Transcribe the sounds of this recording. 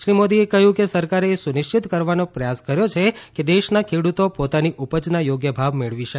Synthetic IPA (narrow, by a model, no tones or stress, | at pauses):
ʃɾimod̪iekəɦjũkesəɾkaɾeːsunɪʃt͡ʃit̪kəɾʋanopɾəjaskəɾjot͡ʃʰeked̪eʃnakʰeɽut̪opot̪aniʔupəd͡ʒnajoɡjəbʱaʋmeɭʋiʃə